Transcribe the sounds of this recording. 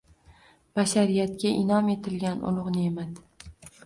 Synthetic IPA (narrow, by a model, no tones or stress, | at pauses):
b̥aʃaɾijat̪kʲaʔɪnɒme̞t̪ʰɪlɡʲanʊ̰lˠʊʁnɪemad̪